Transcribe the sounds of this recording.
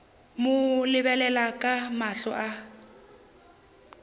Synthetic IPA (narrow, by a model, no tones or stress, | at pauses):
mʊlɪβɛlɛlakʼamaɬɔ̰ʔa